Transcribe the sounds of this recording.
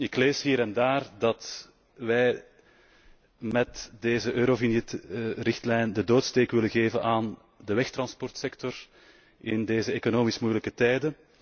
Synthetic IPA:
ɪkleːsɦiːɾɛndaːrdɑt | ʋɛj | mɛtdeːzəʔøːɾovinitrɪxtlɛjndədoːtsteːkʋɪləɣeːvənʔaːn | dəʋɛxt̪rɑnspɔrtsɛktɔr | ɪndeːzəeːkonoːmismujələkətɛjdən

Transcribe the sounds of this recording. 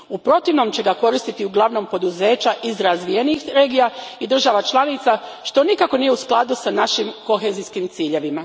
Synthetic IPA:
upɾo̞t̪iʋno̞mt͡ɕe̞ɡako̞ɾist̪it̪iuɡlˠaʋno̞mpo̞d̪uze̞ːt͡ɕaʔizɾazʋije̞nixɾe̞ːɡijaid̪r̩ʒaʋat͡ʃlˠanit̪saʃt̪o̞nikako̞nijeusklˠad̪usanaʃimko̞xezijskimt̪siːʎe̞ʋima

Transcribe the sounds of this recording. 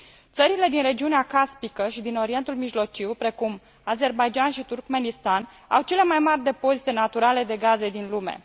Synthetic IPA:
t̪səɾile̞d̪inɾe̞d͡ʒiuneakaspikəʃid̪ino̞ɾie̞nt̪ulmiʒlo̞t͡ʃiwpɾe̞kum | aze̞rbajd͡ʒanʃit̪urkme̞nist̪an | a̰wt͡ʃe̞le̞majmarʲd̪e̞po̞zit̪e̞nat̪uɾale̞d̪e̞ɡaze̞d̪inlume̞̰

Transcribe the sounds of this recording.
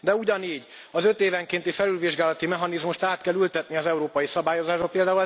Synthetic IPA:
d̪ɛuɟɒniːɟ | ɒzø̞t̪eːvɛŋkeːnt̪ifɛlylʋiʒɡaːlɒt̪imɛɦɒnizmuʃt̪aːt̪kɛlylt̪ɛt̪niɒzɛuɾoːpɒjisɒbaːjo̞zaːʒolpeːld̪aːul

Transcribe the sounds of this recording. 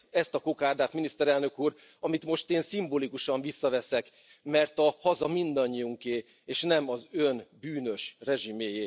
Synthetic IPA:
ɛst̪ɒkokaːrd̪aːt̪minist̪ɛɾɛlnø̞kuːr | ɒmit̪mo̞ʃt̪eːnsimboːlikuʃɒɱvisːɒvɛsɛk | mɛrt̪ɒhɒzɒmind̪ɒɲːiuŋkeː | eːʃnɛmɒzønbyːnø̞ʃrɛʒimeːjeː

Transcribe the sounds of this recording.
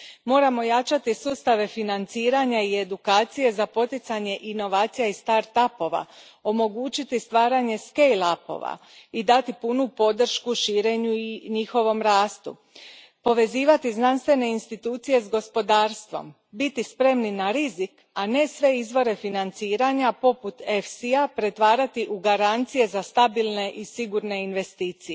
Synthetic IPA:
mo̞ːɾamo̞jat͡ʃat̪isuːst̪aʋe̞finant̪siːɾaɲaie̞d̪ukaːt̪sije̞zapo̞t̪it̪saɲe̞ʔino̞ʋaːt̪sijaist̪aɾt̪apo̞ʋa̰ | o̞mo̞ɡuːt͡ʃit̪ist̪ʋaːɾaɲe̞skejlapo̞̰ʋa̰ | id̪at̪ipunupo̞d̪r̩ʃkuʃiːɾe̞ɲuiɲixo̞ʋo̞mɾaːst̪ṵ | po̞ʋe̞ziːʋat̪iznanst̪ʋe̞ne̞inst̪it̪uːt̪sije̞zɡo̞spo̞d̪aːɾst̪ʋo̞̰m | bit̪ispɾe̞mninaɾizik | ane̞sʋe̞izʋo̞ɾe̞finant̪siːɾaɲapo̞put̪e̞fsiapɾe̞t̪ʋaːɾat̪iʔuɡaɾant̪sije̞zast̪abilˠne̞ʔisiɡuɾne̞inʋe̞st̪iːt̪sije

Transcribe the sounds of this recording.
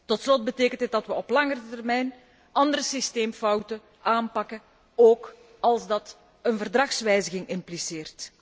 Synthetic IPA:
tɔtslɔt̚bəteːkəntət̚dɑtʋəɔplɑŋərətərmɛjn | ɑnd̪əɾəsisteːmfɔwtə | aːmpɑkə | oːk | ɑlˠzdɑt | ənvərdrɑxsʋɛjzəɣɪŋɪmpliseːrt

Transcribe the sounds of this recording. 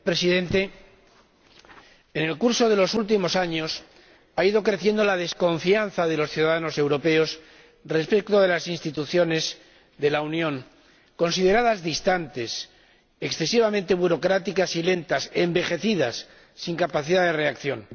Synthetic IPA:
pɾe̞siðẽ̞nt̪e̞ | ne̞lkuɾso̞ðe̞lo̞sult̪̬imo̞saɲo̞s | aiðo̞kɾe̞θje̞nd̪o̞lað̞e̞sko̞ɱfian̟θaðe̞lo̞sθjuðaðano̞se̞wɾo̞pe̞o̞s | re̞spek̚t̪oðe̞lasinst̪it̪uθjo̞ne̞z | ðe̞launjõ̞ŋ | ko̞nsið̞e̞ɾaðazðist̪ant̪e̞s | eksθe̞siβamẽ̞nt̪e̞βuɾo̞kɾat̪ikasile̞nt̪ase̞mbe̞xe̞θiðasː | iŋkapaθiðaðere̞akθjo̞n

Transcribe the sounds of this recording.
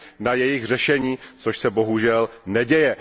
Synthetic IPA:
najɛjɪxr̝ɛʃɛɲiːt͡soʃsɛbo̞ɦuʒɛlnɛɟɛjɛ

